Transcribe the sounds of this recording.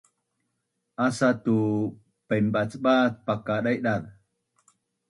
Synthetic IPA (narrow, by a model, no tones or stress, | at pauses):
asatu | pembat͡sɓat̪̚pakaɗajɗað